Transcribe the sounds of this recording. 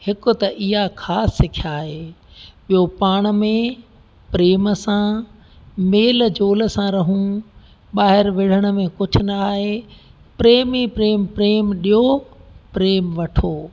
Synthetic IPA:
hɪkʊ̆t̪ɐʔɪɦakʰaːsːɪkʰjaːɦeːɓiɦopaːɽ̃̆mẽ | pɾeːmsã | meːld͡ʑoːləsãɾɐɦũ | ɓaːɦɪɾʋɪɽ̤əɽ̃ə̆mẽkʊd͡ʑʱʊ̆nɐːɦeː | pɾeːmipɾeːmpɾeːmɗijɦopɾeːmʋɐʈʰoː

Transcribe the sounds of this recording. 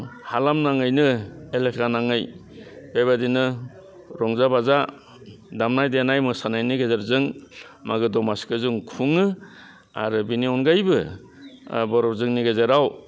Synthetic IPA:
halamnaŋɯjnɯelekʰanaŋɯj | b̥ejbadinɯ | ɾɔŋzabaza | damnajdenajmɯsanajniɡazaɾzɯŋ | maɡɯdɔmaskɯzuŋkʰuŋɯ | a̰ɾɯbiniɔnɡajbɯ | bɔɾɔpzɯŋniɡazaɾaw

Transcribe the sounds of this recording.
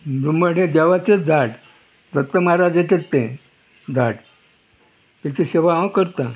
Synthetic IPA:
bɾumbəɽ̤ẽd̪eʋat͡sed͡zʱaʈ | d̪əkt̪ːəmaɾad͡ʑet̪et̪ːẽ | d͡z̪ʱaʈ | t̪jat͡ɕeɕeʋaɦãwkəɾt̪ã

